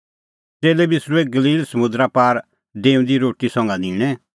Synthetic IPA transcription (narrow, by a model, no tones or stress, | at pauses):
teːlɛbisɾueɡəliːlsəmʊ̃d̪ɾapaːɾ | ɖeːũnd̪iɾoːʈisɔ̃ŋɡanɪ̃ːɽ̃ɛ